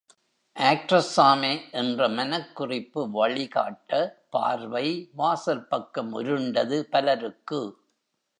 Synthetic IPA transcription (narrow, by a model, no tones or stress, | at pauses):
ʔaːk̚ʈrɐsaːmeːʔɛndrɐmɐnɐkːʊrɪpːɯʋɐɭɪka̰ːʈːɐpa̰ːɾʋɐɪʋaːsɐɾpɐkːɐmʊ̰ɾɯɳɖɐðɯpɐlɐɾɯkːɯ